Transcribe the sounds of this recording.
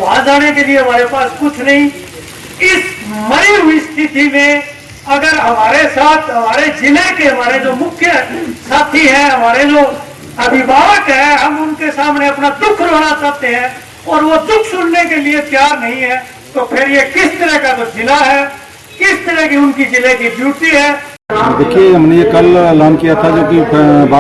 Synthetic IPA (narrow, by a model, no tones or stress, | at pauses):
ʋaːd͡ʒaːnekelieɦɐmaːɾepaːskʊt͡ʃʰnɐɦĩ | ɪsmɐɾiɦʊist̪ʰɪt̪imẽ | ɐɡəɾɦɐmaːɾesaːt̪ʰɦɐmaːɾed͡ʒɪlekeɦɐmaːɾed͡ʒoːmʊkʰjəsaːt̪ʰiɦɛ̃ɦɐmaːɾed͡ʒoː | ɐbʱɪbʱaːʋəkɦɛ̃ɦɐmʊnkesaːmneɐpnad̪ʊkʰɾoəɽat͡ʃaːt̪eɦɛ̃ | ɔːɾʋod̪ʊkʰsʊɽnekeliep̪jaːɾnɐɦĩɦɛ | t̪opʰɪɾjekɪst̪əɾəɦkat̪od͡ʒɪlaɦɛː | kɪst̪əɾəɦkiʊnkid͡ʒɪlekibjuːʈiɦɛː | d̪eːkʰieɦɐmnejekɐlɛlaːnkijat̪ʰad͡ʒoːkipba